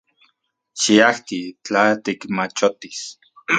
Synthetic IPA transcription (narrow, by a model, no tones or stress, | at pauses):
t͡ʃiaht̪it͡ɬat̪ikmat͡ʃot̪is